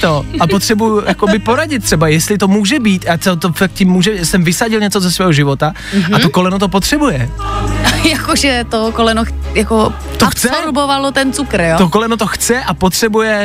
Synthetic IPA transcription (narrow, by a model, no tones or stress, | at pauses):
t̪o̞apot̪r̥ɛbujjʊjakobɪpo̞ɾaɟɪt̪t̪ːr̥ɛbajɛst̪lɪt̪o̞muːʒɛbiːt̪jaːt̪ɛt̪ofak̚t̪̚cimːuːʒɛsɛmvɪsaɟɪlɲɛt͡sozɛsvɛːɦoʒɪvo̞t̪a | at̪oko̞lɛnut̪op̬ot̪r̝̥ɛbujɛ | jakoʒɛt̪okolɛnoxjako | t̪oxt͡sɛoɾbovalot̪ɛnt͡sukɾjot̪okolɛnut̪o̞xt͡sɛʔapo̞t̪r̝̥ɛbujɛ